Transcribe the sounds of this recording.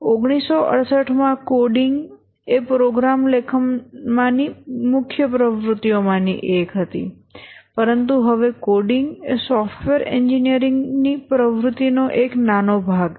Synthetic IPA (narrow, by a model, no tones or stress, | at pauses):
oɡɽ̃isːoʔə̰ɽsəʈʰmãkoɖɪŋɡ | epɾoɡɾamlekʰənmãnimʊkʰjəpɾəʋɾʊt̪ːijomãnḭʔekɦət̪ḭ | pəɾənt̪uɦəʋekoɖɪŋɡesɔfʈʰʋeɾɛɲd͡ʒinijəɾɪŋɡnipɾəʋɾʊt̪inoʔeknanobʱaɡ